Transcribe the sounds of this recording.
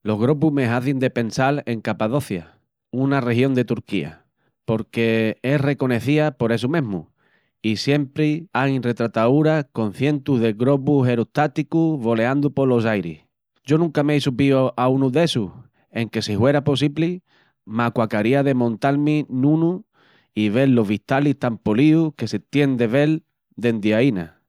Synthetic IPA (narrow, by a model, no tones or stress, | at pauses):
lo̞ɦɣɾo̞pume̞ɦaθend̪e̞pe̞nsale̞ŋkapaðo̞θja̰ | unare̞ɦjo̞nd̪e̞t̪uɾkia̰ | po̞ɾke̞ere̞ko̞ne̞θiapo̞ɾe̞s̬umẽ̞ɦmṵ | isje̞mpɾiainre̞t̪ɾat̪auɾako̞n̟θje̞nt̪uɦðe̞ɣɾo̞p̬uɦe̞ɾut̪at̪ikuβo̞le̞and̪upo̞lo̞s̬ajɾḭh | d͡ʒo̞nũŋkameisupioʔaunuðe̞su | e̞ŋke̞sihwe̞ɾapo̞s̬iβli | makwakaɾiaðe̞mõ̞nt̪almĩnũnu | iβ̞e̞lːo̞ɦβiht̪aliht̪ampoliuke̞se̞t̪je̞nd̪e̞βe̞l | d̪e̞nd̪jaina̰